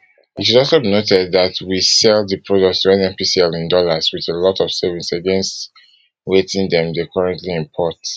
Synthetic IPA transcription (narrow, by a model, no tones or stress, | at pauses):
itʃudɔlˠsobinotɛd̚ðatwisɛlˠðəpʰɹodɔk̚tsɛ̃nɛ̃mpisɛlĩndɔləzwiðelɔtɔv̥sɛvisəɡɛ̃nst | wetĩndɛ̃mdekʰʌɹɛ̃ntliĩmpʰɔt